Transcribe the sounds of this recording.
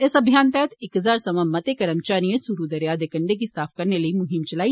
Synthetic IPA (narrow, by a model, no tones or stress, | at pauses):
ɪsɐbʱjaːnt̪ɛːt̪ɪkɦɐzaːɾsɐmɐ̃mɐt̪ekɐɾə̃mt͡ʃaːɾijẽsuɾud̪ɐɾjaːd̪ekɐ̃ɳɖek̬isaːfʰkɐɾnelɐimʊɦɪmt͡ʃɐlaːi